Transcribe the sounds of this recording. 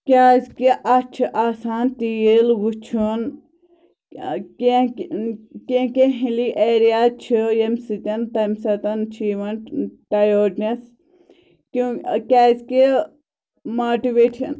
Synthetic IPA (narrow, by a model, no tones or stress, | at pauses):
kʲaːzkiʔɐt͡ʃʰʔaːsaːnt̪ijilʋut͡ʃʰun | kekeɦiliʔeːɾijaːt͡ʃʰijemsit̪ʲɐnt̪ɐmsɐt̪ɐnt͡ʃʰiʋɐnʈajoːʈnɐs | kũkʲaːzke | moːʈiʋeːʈɐn